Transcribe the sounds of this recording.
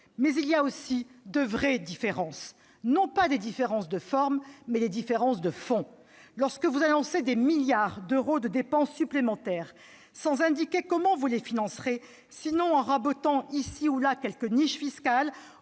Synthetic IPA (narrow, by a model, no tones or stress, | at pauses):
mɛzilijaosid̪əvʁɛd̪ifeʁɑ̃s | nɔ̃pad̪ed̪ifeʁɑ̃sd̪əfɔʁmːɛd̪ed̪ifeʁɑ̃sd̪əfɔ̃ | lɔʁskəvuzanɔ̃sed̪emiljaʁd̪øʁod̪əd̪epɑ̃sːyplemɑ̃t̪ɛʁ | sɑ̃zɛ̃d̪ikʲekɔmɑ̃vulefinɑ̃sχe | sinɔ̃ɑ̃ʁabot̪ɑ̃isiulakʲɛlkəniʃfiskal